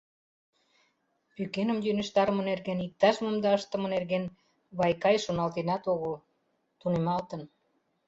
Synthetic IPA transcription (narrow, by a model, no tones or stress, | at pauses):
pykenə̆mjynə̆ʃt̪ɑɾəmə̆nerɣenik̚t̪ɑʃmomd̪ɑəʃt̪ə̆mɤ̆nerɣen | βɑjkɑjʃonɑlt̪enɑt̪oɣəl | t̪unemɑlt̪ə̆n